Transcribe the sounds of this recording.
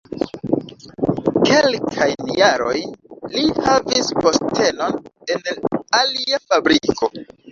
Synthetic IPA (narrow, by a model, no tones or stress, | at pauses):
ke̞lkʰajnjaɾo̞jnlihavispo̞stʰe̞no̞ne̞naliafabɾiko̞